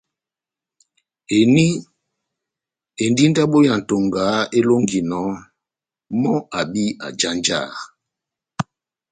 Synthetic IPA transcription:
e˨ni˦ | e˨ndi˦n˦da˦ɓo˦ja˨n̩˨to˨ŋɡa˨˦e˦lo˦ŋɡi˨nɔ˨˦ | mɔ˦a˨bi˦a̰˨d͡ʒa˦nd͡ʒa̰˦˨

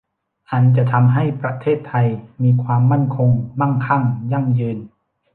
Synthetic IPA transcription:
ʔa˧nt͡ɕa˨˩ʔt̪ʰa˧mɦa˥˩jpɾa˧t̪ʰeː˥˩t̪ʰːa˧jmiː˧kʰwaː˧mːa˥˩nkʰo˧ŋma˥˩nkʰa˥˩ŋja˧˥˩ŋjɯː˧n

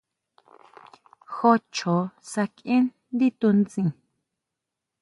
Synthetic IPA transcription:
xo˧t͡ʃʰo˨sa˧kĩ˦n | d̪i˦t̪u˧nt͡sĩ˨

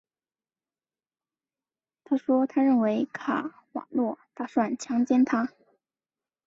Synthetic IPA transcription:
t̪ʰa˥ʂwɔ˥t̪ʰa˥ɻə˥˩nwe˧˥ɪkʰa̰˨˩ | wɑ̰˨˩lwɔ˥˧t̪a˥˩ʂwa˥˩nt͡ɕʰjɑ˥ŋt͡ɕjɛ˥nt̪ʰa˥

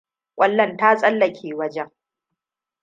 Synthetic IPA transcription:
kʷʼɐ˦˨lːɐ˦˨ntaː˦sʼɐ˦lːɐ˨kʲʰeː˨wɐ˦d͡ʒɛ˦ŋ

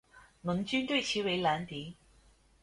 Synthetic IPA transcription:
nʊ˨˩nt͡ʃyː˥nt̪ɵ˥˩t͡ɕʰiː˨˥we˨˧˥laː˨˥nt̪iː˨˥

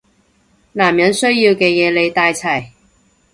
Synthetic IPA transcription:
naː˨˩mjɐ˨˥nsɵ˥ɥjiː˧wkɛː˧jɛː˨˧le˨˧jt̪aː˧jt͡sʰɐ˨˩j

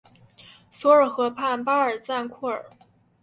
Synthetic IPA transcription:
swɔ˧˥ə˞˨˩xɤ˧˥pʰa˥˩˧npa˥ə˞˨˩t͡sa˥˧nkʰu˥˩ə̰˞˨˩˦

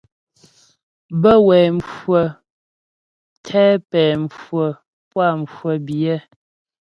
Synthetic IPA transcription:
bə˦wɛ˨ɱfwə˨ | tʰɛ˦pɛː˨m˨fwə˨ | pwa˦˨m˨fwə˨bjə˦

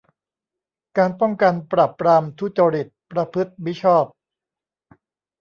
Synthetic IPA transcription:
kaː˧npɔ˥˩ŋka˧npɾaː˨˩pːɾaː˧mt̪ʰu˦˥t͡ɕaː˧ɾi˨˩t̪̚pɾa˧pʰɯ˦˥t̪̚mi˦˥t͡ɕʰɔː˥˩p̚

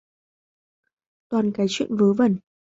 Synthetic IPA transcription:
t̪waː˨˩nkaː˨˦jt͡ɕwḭ˧˨ənvəː˨˦və˨˧˩n

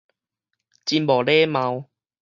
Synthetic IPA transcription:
t͡ɕi˧nbɔ˨˩le˦mã˧w

